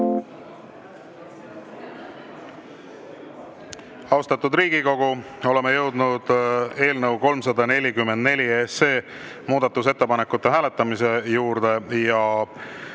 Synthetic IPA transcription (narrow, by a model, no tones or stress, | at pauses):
ɑwst̪ɑt̪ːˑud̪riːɡ̥iko̞ɡ̥u | o̞le̞mejɤwd̪nud̪̥e̞ːlnəwko̞lmsɑd̪ɑne̞lʲikymːend̪ne̞lʲiesːe̞ː | muːd̪̥ɑt̪ːus̬e̞t̪ːe̞pɑnekːut̪ˑːeɦæːle̞t̪ˑːɑmise̞juːɾd̪̥e̞jɑ